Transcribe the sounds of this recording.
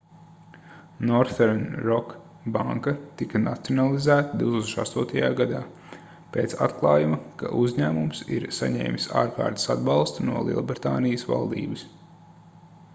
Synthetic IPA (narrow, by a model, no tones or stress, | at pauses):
nɔɾθɛɾnɾɔk | baŋkɐt̪ikɐnat̪sionalˠizæːt̪əd̪iwt̪ukso̥ʃa̰st̪uɔt̪ɐjaːɡad̪aː | peːt̪sa̰t̪klˠɑːjumɐka̰ʔuzɲæːmumsḭɾsaɲɛ̰ːmʲsa̰ːɾka̰ːɾt̪ə̥sad̪bɑlˠst̪unuɔlˠḭɛlˠbɾt̪aːnijəsva̰lˠd̪ḭːbəs